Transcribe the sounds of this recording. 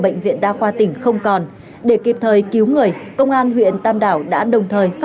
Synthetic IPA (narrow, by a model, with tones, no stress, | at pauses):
ɓə̰˧˨jŋ̟vḭ˧˨ənɗaː˧xwaː˧t̪ï˧˩ŋ̟xə˧wŋ͡mkɔ˨˩n | ɗe˧˩ki˨˩p̚t̪ʰəː˨˩jki˨˦wŋɨ˨˩əjkə˧wŋ͡mʔaː˧nɦwḭ˧˨ənt̪aː˧mɗaː˧˩wɗa̰ː˧˥ɗə˨˩wŋ͡mt̪ʰəː˨˩jf